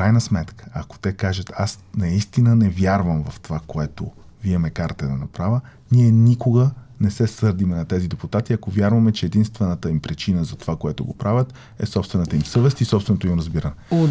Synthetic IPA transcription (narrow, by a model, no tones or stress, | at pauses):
fkɾajnəsmɛt̪kə̥ɐko̥t̪ɛkaʒət̪ʰasnɐist̪inənɛvjaɾvəmvɐft̪ovakoɛt̪o | viɛmɛkaɾt̪ɛd̪ɐnɐpɾavʲə | niɛnikoɡənɛsɛsɤɾd̪imɛnɐt̪ɛzid̪ɛput̪at̪iɐkovʲjaɾvɐmɛt͡ʃɛːd̪inst̪vɛnət̪əimpɾit͡ʃinəzɐt̪ovakoɛt̪ʊɡopɾavʲət̪ | ɛ̰sɔpst̪vɛnət̪əimsɤvɛst̪isɔpsvɛnot̪oimɾəzbiɾənɛo